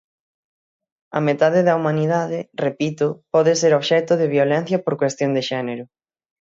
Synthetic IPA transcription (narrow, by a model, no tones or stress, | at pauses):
ɐ̰met̪aðɪðɐumaniðaðɪrepit̪ʊpɔðɪseɾoβʃɛt̪ʊðɪβjolɛn̟θjɐpoɾkwest̪jond̪ɪʃɛneɾʊ